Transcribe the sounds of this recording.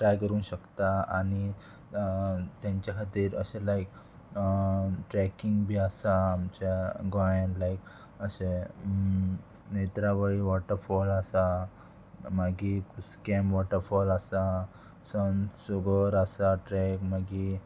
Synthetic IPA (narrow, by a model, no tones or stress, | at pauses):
ʈɾajkəɾuːnɕəkt̪aani | t̪jãɲt͡ɕjakʰat̪iːɾə̰ɕẽlaik̚ | ʈɾɛkiŋɡbʱiːasaːmt͡ɕaɡãẽɳlaik | əɕe | net̪ɾaʋəiʋɔʈəɾfɔlasa | maɡikuskɛmʋɔʈəɾfɔləsa | sənsuɡəɾasaʈɾɛkmaɡi